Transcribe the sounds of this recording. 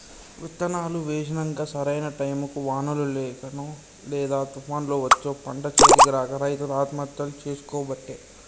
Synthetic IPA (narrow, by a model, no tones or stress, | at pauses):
ʋit̪ːɐnaːluʋeːʃɐnɐŋɡaːsɐɾɐjnɐʈɐjmɐkuʋaːnɐlulɛːkɐnoː | lɛːd̪aːt̪upʰaːnlo̞ːʋɐt͡ʃːoːpɐɳɖɐt͡ʃeːdiɡɐɾaːkɐɾɐjt̪uɾaːt̪mɐt̪jɐlut͡ʃeːsu̥kɔːbɐʈːeː